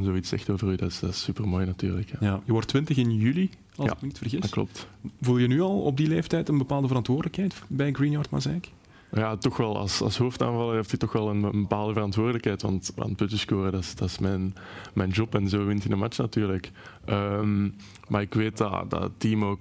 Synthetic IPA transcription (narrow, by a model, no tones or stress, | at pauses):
nzoːitsɛ̰xtoːvərydɑɪsd̥ɑɪsypərmoːjnɑtyːrləkjajajəʋɔrtːʋɪntəxɪnjyli | ɑlˠɪkmənitfərɣɪsklɔ̰p̚tvulˠjənyɑlˠɔ̰b̚dileːftɛjtənbəpaːlˠdəvəɾɑntʋʊːrdələkhɦɛjtbɛjɡrinjaːɹrtma̰zɛk | jaːtɔxʋɛlˠɑ̰lˠsɑ̰lˠsɦoːfta̰ːnvɑlˠəɦɛftitɔxʋɛlˠənənbəpaːlˠdəvəɾɑntʋʊːrdələkhɛjtʋɑ̰ntʋa̰n̚pɵtəskoːɾədɑsd̥ɑɪsmɛnmɛjnd͡ʒɔpɛnzoːʋɪntidəmat͡ʃnɑtyːrləkʔəm | maːrɪkʋeːt̚dɑ̰dɑ̰ətːiːmoːk